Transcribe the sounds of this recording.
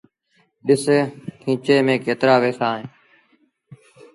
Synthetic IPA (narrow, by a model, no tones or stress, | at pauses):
ɗɪseːkʰĩːt͡ʃeːmẽːkeːt̪ɾaːʋeːsaːɦẽː